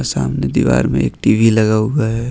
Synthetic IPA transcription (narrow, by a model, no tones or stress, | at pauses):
saːmned̪iʋa̰ːɾmḛ̃ḛːk̚ʈiʋʱiləɡaːuɡaɦɛ